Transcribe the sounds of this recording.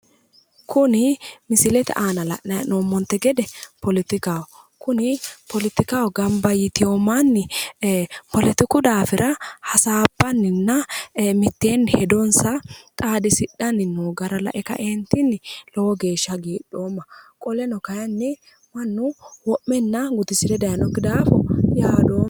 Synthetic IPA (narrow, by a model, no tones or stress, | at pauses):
kʰʊnɪmɪsɪlɛt̪ɛ̰ʔaːnɐlɐ̰ʔnɐjnoːmːɔnt̪ːɛɡɛd̪ɛpɔlɪt̪ɪkaw | kʊnɪpɔlɪt̪ɪkawɔɡɐmbɐjɪt̪ɪjoːmːɐnːɪ | pɔlɪt̪ɪkʊd̪aːfɪɾʔɐhɐsaːbːɐnːɪnːɐmɪt̪ːeːnhɛd̪ɔnsɐkʼaːd̪ɪsɪɗɐnɪnːuɡɐɾɐlɐ̰ʔɛkɐ̰ʔɛnt̪ːɪnːɪlɔwɔɡe̞ːʃːɐɡiːɗːo̞ːmːɐkʼɔlɛnɔkɐjɐnːɪ | mɐnːʊwɔʔːɛnːɐɡʊt̪ɪsɪdɛd̪ɐjɐnɔkːɪd̪aːfɔɪhaːd̪oː